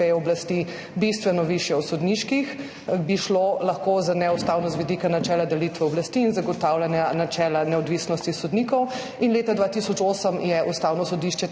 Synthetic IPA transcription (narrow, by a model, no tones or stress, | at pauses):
eɛɔblast̪i | bist̪ʋɛnɔʋiʃjɛwsɔd̪niʃkix | biʃlolɐxkozanɛust̪aːwnɔst̪ʋid̪ikanat͡ʃɛːlad̪ɛlit̪ʋɛɔblast̪iːnzaɡɔt̪awlanjanat͡ʃɛːlanɛɔd̪ʋisnɔst̪isɔd̪niːkɔw | inleːt̪ad̪ʋat̪isɔt͡ʃoːsəmjɛʔust̪awnɔsɔd̪iʃt͡ʃɛ